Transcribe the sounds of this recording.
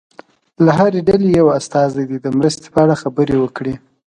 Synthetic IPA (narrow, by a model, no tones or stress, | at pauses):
laɦaɾeɖalejawast̪ɑzajd̪id̪əmɾəst̪e̥pəaɽaxabəɾewəkɽi